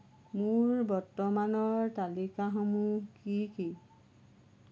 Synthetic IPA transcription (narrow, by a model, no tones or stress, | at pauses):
mʊɹbɔɹtɔmanɔɹtalikaxɔmukiki